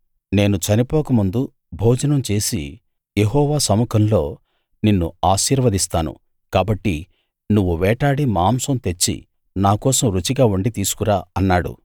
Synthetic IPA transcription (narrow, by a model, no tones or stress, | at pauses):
ne̞ːnut͡ʃɐnipɔːkɐmund̪u | bʱɔːd͡ʒɐnɐmt͡ʃe̞ːsḭ | jeɦɔːʋaːsɐmukʰɐmlo̞ː | ninːṵaːʃiːɾʋɐd̪ist̪aːnṵ | kaːbɐʈːi | nuʋːuʋɛːʈaːɽimaːmsɐmt̪e̞t͡ʃːḭ | naːkɔːsɐmɾut͡ʃiɡaːuɳɖit̪iːsu̥kuɾaːɐnːaːɽṵ